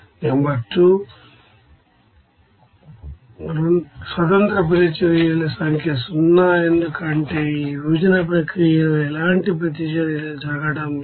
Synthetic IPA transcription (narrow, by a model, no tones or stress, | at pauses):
embɐʈːu | sʋɐt̪̬ɐnt̪ɾɐp̬ɾet͡ʃɐɾijɐlɐsɐŋkjɐsunːaːend̪ukɐɳʈeːiɾuːd͡ʒɐnɐpɾɐkɾijɐlɛlaːɳʈipɾɐt̪̬iʃɐnld͡ʒɐːɡɐɽɐm